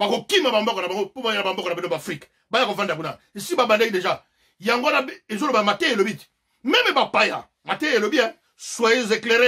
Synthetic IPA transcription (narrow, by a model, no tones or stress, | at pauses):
bakokimabambɔkonabaŋɡopoajenabambɔkonabinobfʁik | bajakovandakuna̰ | esibabandekdeʒa | jaŋɡonaezolobmateelobiti̥ | mɛmɛbapaja̰ | matɛelobia | swaezekleʁe